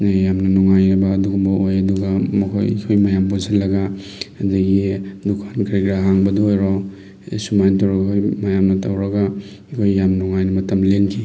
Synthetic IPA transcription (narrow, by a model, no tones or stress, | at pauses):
jamnɐnɔŋajɾibɐːduɡumbɐojɐduɡamɐkʰo̰j̰kʰojmajampuzalːɐɡa | ɐdaɡidukʰankʰɾiɡɾaɦaŋbɐdɔojɾɔ | sumajntowɾɐkʰomajamnɐtɐwɾɐɡa | kʰojːamnɔŋajnɐmɐtɐmlenkʰi